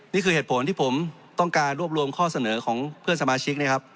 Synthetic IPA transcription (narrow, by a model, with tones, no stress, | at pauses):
niː˥˩kʰɯː˧heː˨˩t̪pʰo˩˦nt̪iː˥˩pʰo˩˦m | t̪ɔ˥˩ŋkaː˧nɾu˥˩əp̚ɾu˧əmkʰɔː˥˩sa˧nɤː˩˦kʰɔː˩˦ŋpʰɯ˥˩ənsa˧maː˧t͡ɕʰi˦˥k̚na˥˩kʰa˦˥p̚